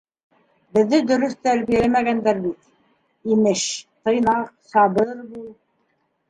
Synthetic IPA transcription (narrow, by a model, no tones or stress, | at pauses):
bɘ̆ðːɘd̪ɵ̆ɾɵθt̪æɾβijælæmæɡænd̪æɾbit̪̚ | imɘʃt̪ɤ̆jnɑqsɑbɤɾbulˠ